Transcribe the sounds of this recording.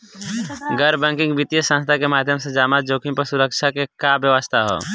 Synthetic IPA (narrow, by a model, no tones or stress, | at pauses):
ɡəɾbɛ̃ːŋkɪ̃ŋɡbit̪ijəsãnst̪ʰakemaːd̪ʱjəmsed͡ʒaːmaːt̪̚d͡ʒoːkɪ̃ŋpɐɾsʊɾəkʃʰakekabjəʋəst̪ʰaɦo̰ː